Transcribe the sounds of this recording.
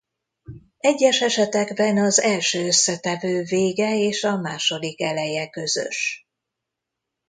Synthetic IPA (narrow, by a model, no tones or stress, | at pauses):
ɛɟːɛʃɛʃɛt̪ɛɡbɛnɒzɛlʃøːøsːɛt̪ɛvøːveːɡɛeːʃɒmaːʃo̞d̪ikɛlɛjɛkø̞zø̰ʃ